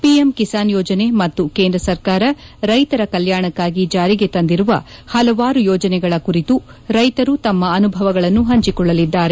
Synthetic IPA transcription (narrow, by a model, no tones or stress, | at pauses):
pijemkisaːnjɔːd͡ʒɐne̞mɐt̪ːuke̞ːnd̪ɾɐsɐɾkaːɾɐɾɐjt̪ɐɾɐkɐljaːɳɐkːaːɡid͡ʒaːɾiɡe̞t̪ɐnd̪iɾuʋɐ̰hɐlɐʋaːɾujɔːd͡ʒɐnɛɡɐɭɐkuɾit̪u | ɾɐjt̪ɐɾut̪ɐmːɐːnubʱɐʋɐɡɐɭɐnːuɦɐɲt͡ʃikɔɭːɐlid̪ːaːɾe̞